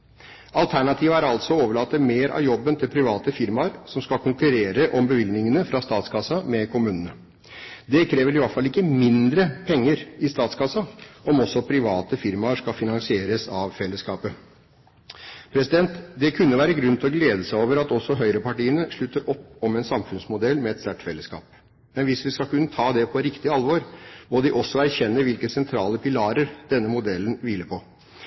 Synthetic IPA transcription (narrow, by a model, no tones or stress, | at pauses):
ɑlt̪ʰæɳɑt̪ʰiːʋəæːɾɑlt̪sɔoːʋəɭɑːt̪ːəmeːɾʔɑ̰ʋjɔbːənt̪ʰɪlpʰɾɪʋɑːt̪əfɪɾmɑɾsɔmskɑkʊŋkʉɾeːɾəʔɔmbəʋɪld̪nɪŋənəfɾɑst̪ɑːt̪skʰɑsɑmɛkʊmʉːnənə | d̪ɛkʰɾeːʋəɾɪʋɑʈfɑlːɪkːəmɪnd̪ɾəpʰɛŋːəɾɪst̪ɑːt̪skʰɑsɑɔmɔsːɔpʰɾɪʋɑːt̪əfɪɾmɑəʂkɑfɪnɑŋsɪeːɾəsɑʋfɛlːəskɑːpə | pʰɾɛsɪd̪ɛnt̪d̪ɛkʰʉnːəʋæːɾəɡɾʉnt̪ʰlɔɡleːd̪əsæɪoːʋəɾɑt̪ɔsːɔɦœʏɾəpɑʈiːənəʂɭʉt̪ːəɾʔɔpːɔmɛnsɑmfʉnsmʊd̪ɛlmɛɛt̪sæʈfɛlːəskɑ̰ːp̚ | mɛnʋɪsʋɪskɑkʉnːət̪ʰɑːd̪ɛpʰɔɾɪkt̪ɪəɑlʋɔɾmɔd̪ɪʔɔsːɔæɾçɛnːəʋɪlkəsɛnt̪ʰɾɑːləpʰɪlɑːɾəɾd̪̥ɛnːəmʊd̪ɛlːnʋɪlːəpʰɔ